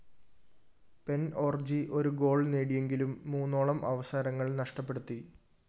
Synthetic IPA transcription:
pe̞no̞ːrd͡ʑiʔo̞ɾuɡo̞ːɭneːɽije̞ŋɡilumːuːnːoːɭɐmʔɐʋɐsaːɾɐŋːɐɭnɐʂʈɐpːe̞ɽut̪ːi

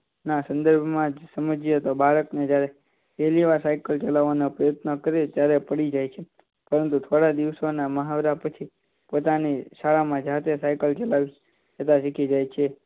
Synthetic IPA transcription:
nasə̃nd̪əɾbʱmãd͡ʒsəməd͡ʒijet̪obʱaɾəkned͡ʒjaɾe | eliʋasajkəlt͡ʃəlaʋanopɾəjət̪nəkəɾet̪jaɾepəɽid͡ʒajt͡ʃʰe | pəɾənt̪ut̪ʰoɽad̪iʋsonaməɦaʋɾapət͡ʃʰi | pot̪aniʃaɭamãd͡ʒat̪esajkəlt͡ʃəlaʋi | t͡ʃət̪aʃikʰid͡ʒajt͡ʃʰe

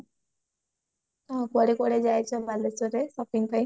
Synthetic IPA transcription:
apɔɽekɔɽed͡ʒajt͡ʃʰɔbalesɔɾesɔpiŋpaj

